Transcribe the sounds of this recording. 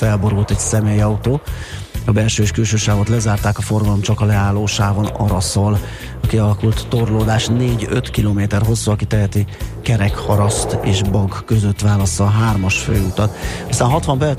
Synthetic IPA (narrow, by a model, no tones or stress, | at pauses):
fɛlbo̞ɾult̪ɛcsɛmeːjɒut̪oːɒbɛlʃøːeʃkylʃøːʃaːvot̪lɛzaːrt̪aːkɒfo̞rɡɒlo̞mt͡ʃɒkɒlɛaːloːʃaːvo̞nɒ̰ɾɒsol | ɒkiɒlɒkult̪ːorloːd̪aːʃneːɟø̰t̪kiloːmeːt̪ɛrɦo̞sːuɒkit̪ɛɦɛt̪ikɛɾɛkhɒɾɒst̪eːʃbɒɡkøzø̞t̪ʋaːlɒsɒɦaːrmɒʃfø̰ːut̪ɒt̪ɒst̪aːnɦɒt̪ʋɒmpɛr